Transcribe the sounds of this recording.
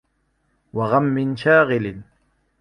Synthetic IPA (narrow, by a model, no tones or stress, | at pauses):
waɣamːɪnʃaːɣɪlɪn